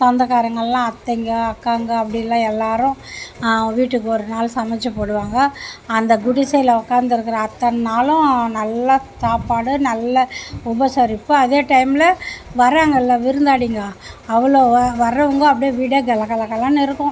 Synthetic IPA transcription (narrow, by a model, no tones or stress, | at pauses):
t̪ɐnd̪ɐɣaːɾɐŋɡɐɭlãːɐt̪ːɐŋɡɐɐkːaːŋɡɐɐpːɐɽɪjlːãːɛlːaːɾʊ̃ | ʋiːʈːɯkːɯɔɾɯnaːlsɐmɛt͡ʃːɐpoːɽɯʋaːŋɡɐːnd̪ɐɡʊɽɪsɐɪlɐʊkːaːnd̪ɪɾɯkːɯɾɐːt̪ːɐnaːlʊ̃nɐlːɐsaːpaːɽɯnɐlːɐʊbɐsɐɾɪpːɯɐðeːʈɐɪmɪlɐʋɐɾaːŋɡɐɪlːɐʋɪɾɯnd̪aːɽiŋɡaːɐʋɐɭoːʋɐɾːɐʋɯŋɡɐɐpːɐɽijɐʋiːɽeɡɐlɐkːɐlɐkːɐlãːnɪɾɯkːʊ̃